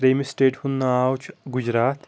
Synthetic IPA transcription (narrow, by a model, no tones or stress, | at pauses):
ɾeːmisʈeːʈhʊnːaaːwt͡ʃʰɡʊd͡ʒɾaːt̪